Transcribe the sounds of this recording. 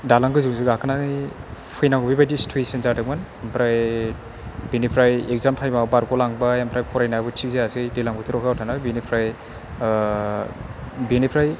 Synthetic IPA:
dalaŋɡɯjzuŋziɡakʰɯnanijpʰɯjnawɡbibajdistɾuisinzadɯk̚manampʰɾaj | binipʰɾajeɡ̚zamtʰajmabaɾkɔlaŋbajampʰɾajpʰɔɾajnabɯtʰikzeasɯjdelamɡɯtʰiɾɔkʰawtʰanabinipʰɾaj | binipʰɾaj

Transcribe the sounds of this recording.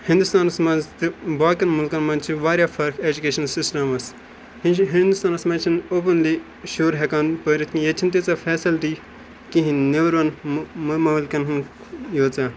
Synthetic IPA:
hĩnd̪ust̪aːnɐsmazt̪ɨbaːkɐnmulkɐnmɐ̃nt͡ʃʰiʋaːɾjaːfɐɾkʰeːd͡ʒukeːʃɐnlsisʈɐmɐs | ɦind̪ust̪aːnɐsmaːt͡ʃʰinoːpɐnliː | ʃoːɾɦekaːnpəːɾit̪ʰkijet͡ʃʰint̪et͡safɛːsilʈ̪i | kiɦĩneʋɾɐnmmɐʋlkɐnɦn | joːt͡saː

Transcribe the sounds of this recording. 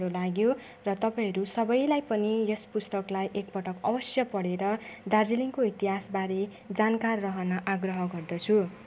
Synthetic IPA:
ɾolaɡjo | rʌt̪ʌpaĩɦʌɾusʌbʌjlajpʌnijʌspust̪ʌklajʔek̚pʌʈʌkʌbʌsjʌpʌɽeɾʌd̪ard͡ziliŋkoit̪iɦasbaɾe | d͡zankarːʌɦʌnʌʔaɡrʌɦʌɡʌrd̪ʌt͡sʰu

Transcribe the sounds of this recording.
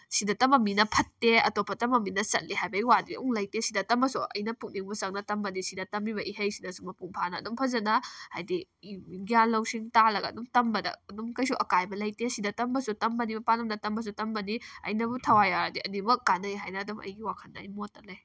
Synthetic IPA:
sidɐtɐmɐminɐpʰɐtːeɐ̰topʰːɐtɐmɐminɐsɐ̰t̚liɦajbɐjwadiuŋlɐjtesidɐtɐmɐsuɐ̰jnɐpuk̚niŋbusɐŋ̚nɐtɐmbɐnisidɐtɐmibɐʔiɦɐjsidɐsumɐpuŋpʰanɐ̰ːdumpʰɐzɐnɐha̰jdiɡijanlɐwsiŋtalɐɡɐ̰ːdumtɐmbɐdɐ̰ːdumkɐjsuʔɐkajbɐlɐjtesidɐtɐmbɐsutɐmbɐnibɐpanɐmnɐtɐmbɐs̬utɐmbɐniɐ̰jnɐbutʰɐwajadiʔɐnimɐkːanɐjɦajnɐːdumɐ̰jɡiwakʰɐnːɐɐ̰jmotːɐlɐj

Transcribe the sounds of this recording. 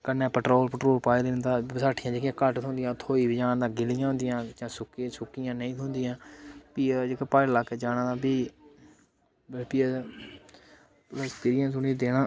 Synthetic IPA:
kənːɛ̃ːpəʈɾoːlpəʈɾoːlpaːid̪end̪aːsaːʈʰːɪjãːd͡ʒeːkijãːkəʈt̪ʰõːnd̪ɪjãːt̪ʰoːiːbid͡ʒaːnd̪ãːɡɪlɪjãɦõnd̪ɪjãːd͡ʒãːsʊksʊkːɪjãːnəĩːt̪ʰʊ̃ːnd̪ɪjãːpiːd͡ʒeːkəpaːɽlaːkːeːd͡ʒaːnãːd̪aːbiː | bəpiː | ləspiːɾɪjãːsʊnĩd̪eːɽãː

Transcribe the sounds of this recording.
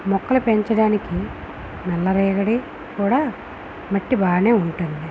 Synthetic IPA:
mɔkːɐlupe̞ɲt͡ʃɐɽaːniki | mɛlːɐɾɛːɡɐɽi | kuːɽaː | mɐʈːibaːne̞ːuɳʈund̪i

